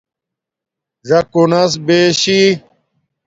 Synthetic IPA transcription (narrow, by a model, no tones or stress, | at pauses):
ʐɐkunɐs̬beːɕi